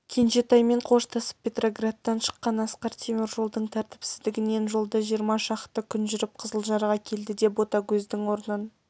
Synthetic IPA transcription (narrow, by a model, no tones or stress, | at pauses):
kʲʰenʃe̞t̪ɑjme̞ɴqʰo̞ʃt̪ʰɑsə̥p̚pʲːe̞t̪ro̞ɡrat̪ːɑnʃə̥qːɑnɑsqɑɾt̪ʲʰemʲoɾʒo̞lˠd̪əɴt̪ʰæɾt̪ɪ̥psɪzd̪ɪɡʲɪne̞nʒo̞lˠd̪ɑʒijəɾmɑʃɑqt̪ːəkʲʰʏnʒʏɾɪp̚qʰəzəlˠʒɑɾɑʁɑkʲʰe̞ld̪ɪd̪e̞po̞t̪ɑkʲʰɵzd̪ɪŋwo̞ɾnən